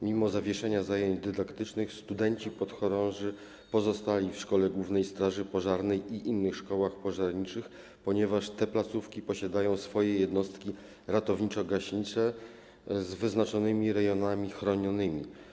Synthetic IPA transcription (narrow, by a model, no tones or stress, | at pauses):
mʲimɔzavʲjɛʂɛɲazajeɲd͡ʑd̪ɘd̪akt̪ɘt͡ʂnɘxst̪ud̪ɛɲt͡ɕipɔt̪xɔɾɔ̃ʐɘ | pɔzɔst̪alʲifʂkɔlɛɡwuvn̪ɛjst̪ɾaʐɘpɔʐaɾnɛjiʔinːɘxʂkɔwaxpɔʐaɾɲit͡ʂɘx | pɔɲɛvaʂt̪ɛplat̪sufkʲipɔɕad̪ajɔ̃w̃sfɔjɛjɛd̪nɔst̪kʲi | ɾat̪ɔvɲit͡ʂɔɡaɕɲit͡ʂɛ | zvɘznat͡ʂɔnɘmʲiɾɛjɔnamʲixɾɔɲɔnɘmʲi